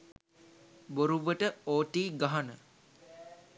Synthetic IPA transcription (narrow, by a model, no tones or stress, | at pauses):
boɾuʋəʈəoːʈiːɡaɦanə